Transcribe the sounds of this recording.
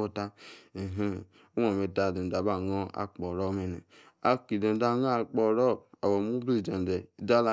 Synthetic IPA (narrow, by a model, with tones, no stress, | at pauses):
o˦ta˦e˨ɦẽ˦˨˦ | wɔ̃˨me˧ta˨dẽ˨n˨da˨ba˦˨ŋɔ̃˦a̰˦k͡pɔ˨ɾɔ˦me˨nḛ˨ | a˧ki˨de˨n˨da˧˦ŋa˦˧k͡pɔ˧ɾɔ˦˨a˨wɔ˨mu˦bɾi˦˨d͡ʒe˨n˨dɛ˨da˦la˦